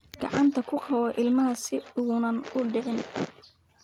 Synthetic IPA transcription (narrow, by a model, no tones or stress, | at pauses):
ɡ̥ɑ̰ʕɑnt̪ʰɐkʰʊqʰɐwɔʔɪlmɐɦɐsɪuːnɐnʊɖɛʕɪn